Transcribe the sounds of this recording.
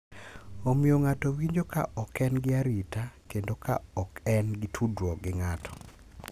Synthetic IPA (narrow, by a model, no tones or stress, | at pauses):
omioŋatowiɲd͡ʒoka̰ʔɔkɛnɡɪaɾitakendoka̰ɔkɛnɡɪtʰudwɔɡɪŋatʰɔ̥